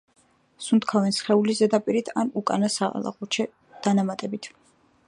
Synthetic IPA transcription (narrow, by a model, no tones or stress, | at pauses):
sunt̪kʰavɛnsχɛulizɛd̪apʼiɾit̪ʰanukʼa̰nasaa̰lˠa̰ʁut͡ʃʰɛ | d̪̥anamat̪ʼɛbit̪ʰ